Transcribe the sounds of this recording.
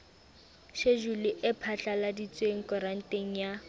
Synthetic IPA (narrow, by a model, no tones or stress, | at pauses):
ʃeʒulɪʔɪpʰaɬaladit͡sʼweŋ̩kʼɔɾan̩teŋ̩ja